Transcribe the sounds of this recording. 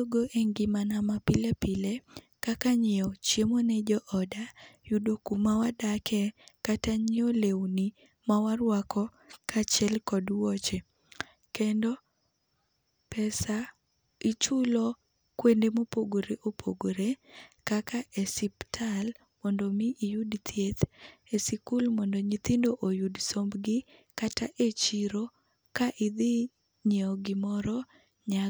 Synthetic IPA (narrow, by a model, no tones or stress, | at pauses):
oɡoʔeŋɡimanamapilepile | kakaɲɪɔt͡ʃjemonɛd͡ʒɔʔɔdajudokumawadakʰɛkataɲɪɔlewni | mawaɾwakʰɔ | kat͡ʃɛlkɔdwɔt͡ʃe | kendɔ | pɛsa | it͡ʃulɔ | kwendemopoɡoɾeʔopʰoɡoɾekakaʔesiptʰal | mɔndomiʔijudt̪ʰjet̪esikulmɔndoɲit̪indoʔojudsombɡɪkataʔet͡ʃiɾo | kaʔɪd̪ɪ | ɲeɔɡɪmɔɾɔ | ɲa